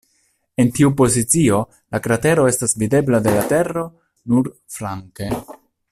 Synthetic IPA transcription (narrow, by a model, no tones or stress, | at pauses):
e̞ntiupo̞zit͡sio̞ | lakɾate̞ɾo̞e̞stasvide̞blade̞late̞ro̞ | nuɾflaŋke̞